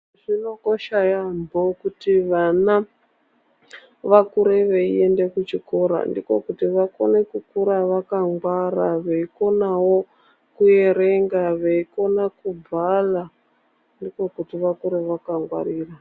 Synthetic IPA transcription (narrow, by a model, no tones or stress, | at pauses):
ʐino̞ko̞ʃajambo̞kutiʋana | ʋakuɾeʋeie̞nde̞kut͡ʃiko̞ɾa̰ndiko̞kutiʋako̞̰nekukuɾaʋakaŋɡwaɾaʋeiko̞nawo̞ | kuje̞ɾe̞ŋɡaʋeiko̞nakub͡vala | ndiko̞kutiʋakuɾeʋakaŋɡwa̰ɾiːra